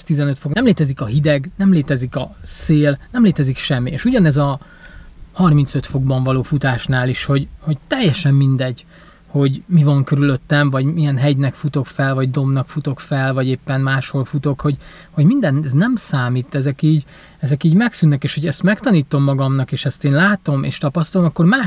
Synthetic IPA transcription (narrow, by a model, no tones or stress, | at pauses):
ʃt̪izɛnø̞t̪fokɛmleːt̪ɛzikɒɦid̪ɛɡnɛmleːt̪ɛzikɒseːlnɛmleːt̪ɛzikʃɛmːiḛːʃuɟɒnɛzɒ | hɒrmint̪søt̪fo̞ɡ̚bɒɱvɒloːfut̪aːʃnaːliʃho̞ɟho̞ɟt̪ɛjːɛʃɛmːind̪ɛɟ | ho̞ɟmivɒŋkøɾylø̞t̪ːɛɱvɒɟmijɛnɦɛɟnɛkfut̪o̞kfɛlvɒɟd̪o̞mnɒkfut̪o̞kfɛlvɒɟeːpːɛnmaːʃho̞lfut̪o̞kho̞ɟ | ho̞ɟmind̪ɛnznɛmsaːmiːt̪ːɛzɛkiːɟ | ɛzɛkiːɟmɛksynːɛkeːʃhoɟɛst̪mɛkt̪ɒniːt̪o̞mːɒɡɒmnɒkeːʃɛst̪eːnlaːt̪o̞mḛːʃt̪ɒpɒst̪ɒlomɒkːo̞rmaː